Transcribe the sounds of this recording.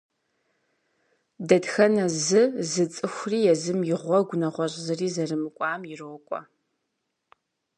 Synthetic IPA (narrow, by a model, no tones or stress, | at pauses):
dɐdxɐnɐzɨzɨt͡sʼɨxʷriːjɛzɨmjɪʁʷɔɡʷʊnɐʁʷɔɕʼzɨriːzɐrɨmɨkʷʼɑːmjɪrokʷʼɔ̰